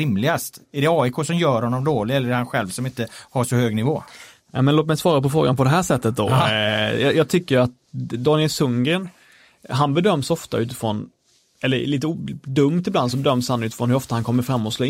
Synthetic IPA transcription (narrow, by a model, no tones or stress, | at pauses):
ɪmlɪɡast̪æɖɛɑːɪkʰoːsɔmjœːɾhɔnːɔmd̪oːlɪɛlːɾhanɧɛlvsɔmɪnt̪əhaʂɔhøːɡnɪvoː | amɛnoːt̪mɛjsvɑːɾapɔfɾoːɡanpɔd̪ɛɦæːʂɛt̪ːət̪̚d̪o̰ | jɑjɑːt̪ʰʏkːəjɾat̪̚ | d̪ɑːnɪɛlsɵŋɡəɳ | ɦanbɛd̪œmːsɔft̪a̰ʉ̟ːt̪ɪ̥fɾɔn | ɛlːəɾliːt̪əd̪ɵmt̪ɪbland̪sɔbɛd̪œmːshanːʉ̟t̪ɪfɾɔnhɵɾɔft̪ahankʰɔmːəɾfɾamːɔt̪sloː